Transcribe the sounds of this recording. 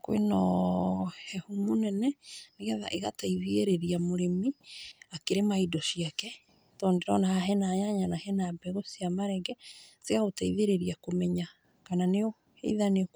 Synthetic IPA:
kwḛnɔ | hɛhumonɛnɛneɣɛða̰ʔeɣataiðeeɾeɾiamoɾemiakeɾemaidɔʃiakɛ | tɔndeɾɔnahaɦɛnajaɲanahɛnabɛɣosiamaɾɛɡɛseaɣotaiðeɾeɾiakomɛɲa | kananeɔ | hḛiðanek

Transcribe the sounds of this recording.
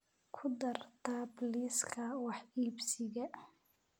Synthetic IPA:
kʰʊd̪ɐrt̪ʰabliːskʰɐwɑħiːbsɪɣɐ

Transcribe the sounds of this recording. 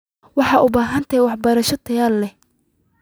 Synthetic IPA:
wɑħɑːʔʊbaːɦɐnt̪ʰɛwɑħbɐɾɐʃɐt̪ʰɐjaːlːɛh

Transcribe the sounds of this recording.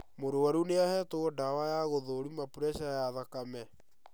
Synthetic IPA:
moɾoaɾuneahɛtoɔdawajaɣoðoɾumapuɾɛɕajaðakamɛ

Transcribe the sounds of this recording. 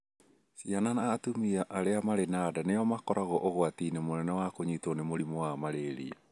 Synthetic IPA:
siananaːtumiaʔaɾeamaɾenadanejɔmakɔɾaɣɔʔoɣwatiːnemonɛnɛwakoɲitɔnemoɾimɔwamaɾeːɾḭa

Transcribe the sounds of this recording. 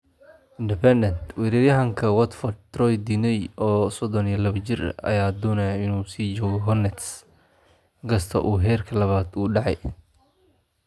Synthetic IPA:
ʔɪnd̪ɪpʰɛnd̪ɛnt̪wɛːɾɪɾjɐɦɐŋkʰɐwɐt̪fɔrt̪ːrɔjd̪inɛjɔːsɔd̪ɔnijɐlɐβt͡ʃɪrɐ̰jaːd̪ɔnɐjaɪnuːsiːd͡ʒɔːɣɔɦɔnɛt̪s | ɪŋɡʰɐst̪ʰɐ̰ʔuːɦɛːrkʰɐlɐβaːd̪uːɖɑʕɑ̰j

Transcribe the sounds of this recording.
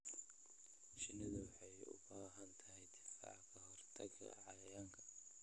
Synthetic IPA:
t͡ʃɪnɐðʊwɑħɑjʊ̰baːɦɐnt̪ʰɐɦɛjd̪ɪfa̰ʕkʰɐhɔrt̪ʰɐɡʰɐ̰ʕɑjɐjaːŋkʰɐ̥

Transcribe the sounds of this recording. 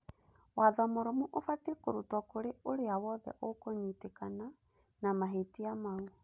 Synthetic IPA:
waðɔmoɾomuʔofatekoɾutwɔkoɾeoɾeawɔðɛ̰ʔokoɲitekana | namaɦetiamau

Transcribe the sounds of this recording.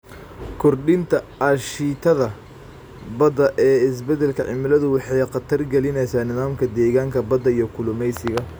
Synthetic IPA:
kʰɔrɖɪnt̪ʰɐɐʃiːt̪ʰɐðɐ | bɐd̪ɐʔɛːɪs̬bɛd̪ɛlkʰɐʕɪ̰mɪlɐðʊwɑħɑjqɑt̪ʰɐrɡɛlɪnɛjsaːnɪðaːmkʰɐd̪ɛːɣaːŋkʰɐbɐd̪ɐijɞkʰʊlʊmɛjsɪɣɐ

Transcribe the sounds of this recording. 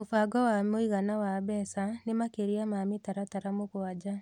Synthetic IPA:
ofaɡɔwamoiɣanawabɛsanemakeɾiamamitaɾataɾamoɣwad͡ʒa

